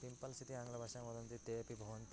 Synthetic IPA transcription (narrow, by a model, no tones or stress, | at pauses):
t̪impɐlsʰit̪iaŋlabʱaʃamɔd̪ɔnt̪it̪epibʱɔʋont̪